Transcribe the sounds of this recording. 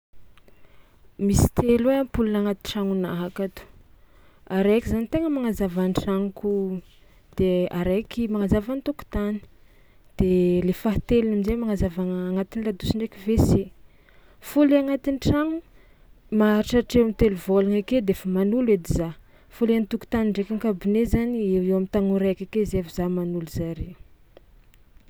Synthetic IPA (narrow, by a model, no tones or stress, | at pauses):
misi̥t̪elweampulunaŋat̪iʈ͡ʂaŋunaɦakat̪u̥ | aɾekizanit̪eŋəmaŋazavanʈ͡ʂaŋuku | d̪̥eaɾekimaŋazavanit̪uku̥t̪ani̥ | d̪̥elefaɦt̪elnamizemaŋazavaaŋat̪inilad̪usiɳɖ͡ʐekivese | fuleaŋat̪inʈ͡ʂaŋu | maaɾiʈ͡ʂaʈ͡ʂewamit̪eluvolaŋaked̪eefamanuled̪iza | fuleant̪uku̥t̪aniɳɖ͡ʐekaŋkabinezaniewewamit̪aŋuɾakʲakezevizamanuluzaɾeu̥